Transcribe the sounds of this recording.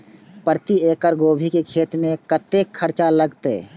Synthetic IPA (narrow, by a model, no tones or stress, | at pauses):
pəɾt̪ieːkəɾɡoːbʱikekʰeːt̪mẽkət̪eːkʰːəɾt͡ʃaləɡt̪ḛː